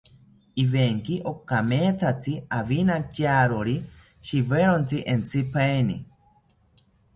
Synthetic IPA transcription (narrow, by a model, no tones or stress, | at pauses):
iβeŋkiʔokameːt͡sʰat͡siaβinat͡ʃaɾoɾi | ʃiβeɾont͡siʔent͡sʰipʰajni